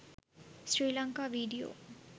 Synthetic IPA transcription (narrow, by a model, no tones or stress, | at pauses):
sɾiːlʌŋkaʋiːɖijo̰ː